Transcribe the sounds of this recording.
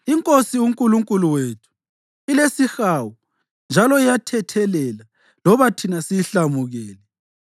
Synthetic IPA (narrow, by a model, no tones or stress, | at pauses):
iŋkʼosiwuŋkʼuluŋkʼuluwetʰu̥ | ilesixaːwɔ | nd͡ʒʱalɔijatʰɛtʰɛlɛla | lɔβatʰinasijiɬamuɣɛːlɛ